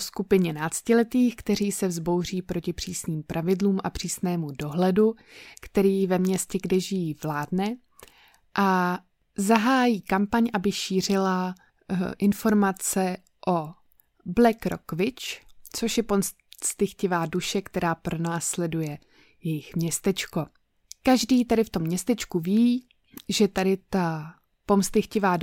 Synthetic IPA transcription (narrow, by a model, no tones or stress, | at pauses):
skupɪɲɛnaːt͡scɪlɛt̪iːxkt̪ɛr̝iːsɛvzbo̞wr̝iːpɾo̞cɪpr̝̥iːsniːmpɾʔavɪdluːmʔa̰pr̝̥iːsnɛːmudo̞ɦlɛdu | kt̪ɛɾiːvɛmɲɛscɛɡdɛʒɪjiːvlaːdnɛ | ʔa | zaɦaːjiːkampaɲʔabɪʃiːr̝ɪla | ʔɪnfo̞ɾmat͡sɛ | ʔo | blɛkɾo̰kvɪt͡ʃt͡so̞ʃjɛpom | st̪ɪxcɪvaːduʃɛkt̪ɛɾaːpɾʔo̞naːslɛdujɛ | jɛjɪxmɲɛst̪ɛt͡ʃko̞ | kaʒdiːt̪adɪft̪o̞mːɲɛst̪ɛt͡ʃkuviː | ʒɛt̪adɪt̪a | po̞mst̪ɪxcɪvaː